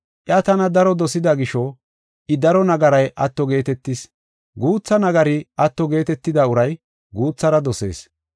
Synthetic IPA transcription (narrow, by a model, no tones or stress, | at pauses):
ʔjɐt̪ɐnɐd̪ɐɾɔd̪ɔsɪd̪ɐɡɪʃɔ | ʔɪd̪ɐɾɔnɐɡɐɾɐjʔɐt̪ːɔɡe̞ːt̪ɛt̪ːɪs | ɡuːt͡sːɐnɐɡɐɾɪʔɐt̪ːɔɡe̞ːt̪ɛt̪ːɪd̪ɐʊɾɐj | ɡuːt͡sːɐɾɐd̪ɔse̞̰ːs